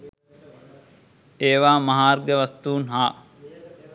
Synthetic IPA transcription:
eːʋaːmɐɦaːɾɡeʋɐst̪uːnɦaː

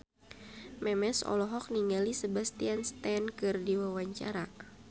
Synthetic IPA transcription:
mɛmɛsɔ̰lɔɦɔk̚niŋalisəbast̪ianst̪ɛnkɨrdiwawaɲt͡ʃa̰ɾa

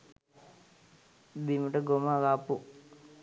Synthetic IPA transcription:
bimuʈəɡomaɡaːpu

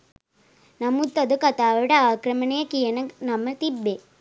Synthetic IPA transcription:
nɐmut̪ːɐd̪ukɐt̪aːʋɐɽɐaːkɾɐmɐnɐjɐkijɐnɐnɐmːɐt̪ibːe

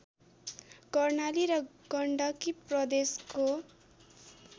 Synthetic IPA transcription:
kʌrnaliɾʌɡʌɳɖʌkiprʌd̪esko

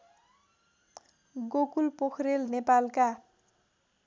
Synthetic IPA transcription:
ɡokulpokʰrelnepalka

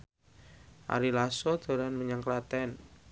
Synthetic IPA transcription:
ʔa̰ɾilasod̪̥ɔ̤ɾanməɲaŋklat̪ɛn

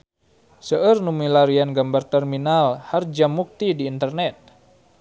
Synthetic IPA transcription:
səərnumilaɾianɡambart̪ɛrminalhard͡ʒamuk̚t̪idiːnt̪ərnɛt̪̚

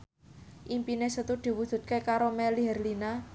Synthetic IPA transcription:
ʔimpinesət̪ud̪̥i̤wud̥ʒ̥ṳt̪̚kekaɾomɛliɦɛrlina

